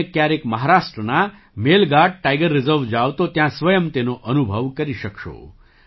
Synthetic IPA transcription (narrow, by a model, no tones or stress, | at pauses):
ekjaɾekməɦaɾaʃʈɾəna | melɡaɖ̚ʈajɡəɾːɪzəɾʋd͡ʒaʋt̪ot̪jãsʋəjəmt̪enoʔənubʱəʋkəɾiʃəkʃo̰